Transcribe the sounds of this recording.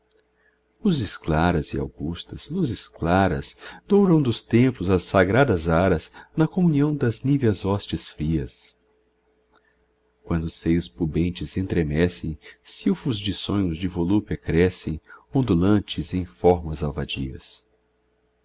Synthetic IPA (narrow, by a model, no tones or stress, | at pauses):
ʊzɪsklaɾɐzɪa̰wɡust̪ɐz̥nʊzɪsklaɾɐ̰zd̪owɾɐ̃w̃d̪ʊst̪ẽmplʊzɐsːaɡɾad̪ɐzaɾɐznɐkomũniɐ̃w̃d̪ɐznivɐzɔst͡ʃɪsfɾiɐs | kwɐ̃nd̪ʊsejʊspubẽnt͡ʃɪzẽnt̪ɾemɛsẽj̃siwfʊzd͡ʒɪsõɲʊzd͡ʒɪvolupɪkɾɛsẽj̃õnd̪ulɐ̃nt͡ʃɪzẽj̃fɔɾmɐzawvad͡ʒḭɐ̰s